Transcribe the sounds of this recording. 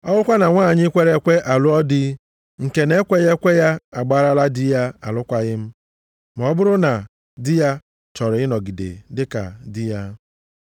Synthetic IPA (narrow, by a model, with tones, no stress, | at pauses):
ɔ˦lʊ˦kʷa˦na˨ŋʷaː˦˨ɲɪ˦kʷe˦ɾe˦kʷe˦ʔa˨lʊ˦ɔ˦dɪ˦ | ŋ̩˨ke˨ne˦kʷe˦ɣe˦kʷe˦ja˦a˨ɡ͡ba˦ɾa˦la˦dɪ˦ja˦a˨lʊ˦kʷa˦ɣɪ˦m̩˦ | m˨ɔ˦bʊ˦ɾʊ˦na˨ | dɪ˦ja˦ | t͡ʃɔ˨ɾɪ˨ɪ˦nɔ˨ɡi˨dḛ˨dɪ˦ka̰˨dɪ˦ja˦